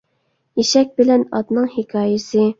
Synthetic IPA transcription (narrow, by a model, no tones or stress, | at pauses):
jeʃɛk̚ʲbɪlɛnɑ̰t̪nɨŋhɪkʰɑːjɪsɪ